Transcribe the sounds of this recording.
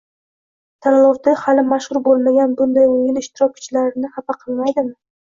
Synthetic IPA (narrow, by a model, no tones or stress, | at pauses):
t̪ʰanlˠɒɾt̪ʰɪhalɪmaʃhʊɾbolˠmaɡʲanbʊnd̪ajʊjɪlɪʃt̪ɪɾɒp̚kʲʰʊ̥t͡ʃlaɾɪnɪhapaqʰɨlˠmajd̪ɪm